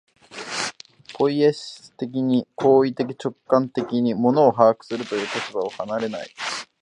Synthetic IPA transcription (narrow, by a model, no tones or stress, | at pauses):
kʰo̞ieɕt̪ek̬ʲiɲ̟ikʰo̞ːit̪e̞kʲi̥t͡ɕo̞kːãnt̪e̞kʲiɲ̟imo̞no̞ːɦaːkɯ̟̥sɨɾɯ̟t̪o̞jɯ̟ːkot̪obaohanaɾe̞na̰i